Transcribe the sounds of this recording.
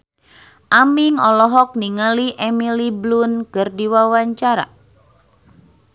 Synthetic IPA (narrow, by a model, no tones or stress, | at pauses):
ʔamiŋɔlɔɦɔk̚niŋəliʔɛmiliblunkərdiwawaɲt͡ʃaɾa̰